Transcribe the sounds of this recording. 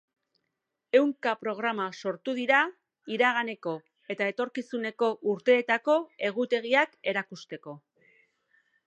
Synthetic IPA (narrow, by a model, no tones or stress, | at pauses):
e̞wŋkapɾo̞ɣ̞ɾamaso̞ɾt̪uð̞iɾa | iɾaɣ̞ane̞ko̞ | e̞t̪ae̞t̪o̞ɾkisune̞ko̞ʔuɾt̪e̞ːt̪ako̞e̞ɣ̞ut̪e̞ɣ̞iake̞ɾakust̪e̞ko̞